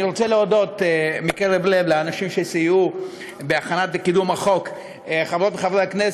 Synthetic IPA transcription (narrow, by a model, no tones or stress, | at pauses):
iʁot͡seleodo̞t̪mikeʁevlevleanaʃimʃesiju | beaχanat̪̚bekid̪umaχo̞k | χavʁo̞t̪leχavʁeaknes